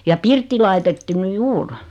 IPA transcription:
jɑ pirtːi lɑitetːu ny juːr

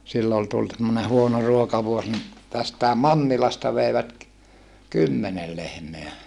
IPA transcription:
silːo ol tult semːone huono ruokɑʋuos ni tæstæˑem mɑnːilɑstɑ ʋeiʋæt kymːenel lehmeæ

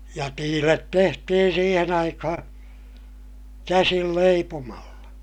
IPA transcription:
jɑ tiːlet tehtihin siːhen ɑikɑhɑ̃ː kæsil leipomɑlːɑ

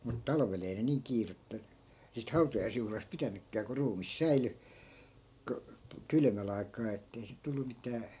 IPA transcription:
mut tɑlɑ̆ʋel ei ne niːŋ kiːretːæ siːt hɑutɑjɑisjuhlɑs pitænykːæː ku ruːmis sæily ko kylmæl ɑi̯kˑɑː etːei sit̆ tulːu mitæː

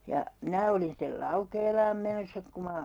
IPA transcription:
jɑ minæ olin stel lɑukeːlɑːm menosːɑ ku mɑ

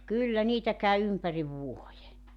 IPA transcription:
kylːæ niːtæ kæy ympæriʋ ʋuoje

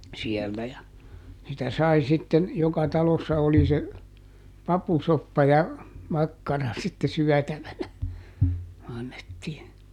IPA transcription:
sielːæ jɑ sitæ sɑi sitːen jokɑ tɑlosːɑ oli se pɑpusopːɑ jɑ mɑkːɑrɑ sitːe syætæʋænæ ɑnːetːiːn

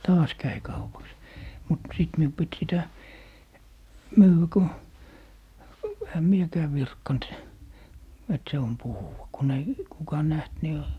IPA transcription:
tɑːs kæi kɑupɑks mut siˑt miu pit sitæ myːwæ ko ehæ miekæː ʋirkːɑnt et se on puhuwɑ kun ei kukɑ næht ni

